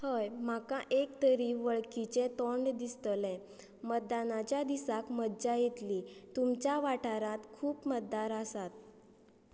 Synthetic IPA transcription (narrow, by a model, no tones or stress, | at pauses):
həjmakãʔekt̪əɾiːʋəɭkit͡ɕet̪oɳɖd̪ist̪əlɛ̃ | mət̪̚d̪anat͡ɕjad̪isakməd̪d͡ʑajet̪lit̪umt͡ɕjaʋaʈaɾãt̪kʰuːpmət̪̚d̪aɾəsat̪̚